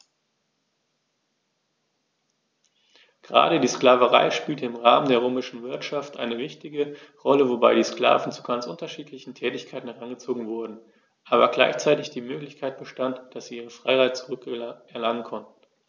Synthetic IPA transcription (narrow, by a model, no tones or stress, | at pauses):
ɡ̥əʁa̰ːɾədiːsklaːvəʁa̰ɪʃpiːltəɪmʁaːməndeːɐʁ̞øːmɪʃn̩vɪɐtʃaftʔa̰ɪnəvɪçtɪɡəʁɔləvobaɪdiːskl̥a̰ːvn̩t͡su̥ɡant͡sʔʊntɐʃiːtʰlɪçn̩tʰɛːtɪçkʰaɪtn̩hɛʁanɡət͡soːɡŋ̩vʊɐdn̩ | ʔaːβɐɡla̰ɪçt͡saɪtɪçd̥iːmøːklɪçkʰaɪt̚b̥əʃtantd̥asz̥iːʔiːʁ̞əfʁ̥aɪhaɪt̚t͡suʁʏkɛɐlaŋənkʰɔntn̩